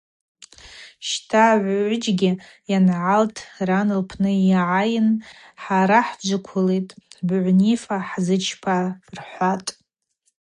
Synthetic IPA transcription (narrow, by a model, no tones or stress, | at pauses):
ʃtʰaʕʷʊd͡ʒɡʲɪ | janʕaltʰranɨlpʰnɨʕajɪn | ħaɾaħd͡ʒʷakʷʰʊletʼbʕʷnifaħzɨt͡ʃʰpʰarħʷatʼ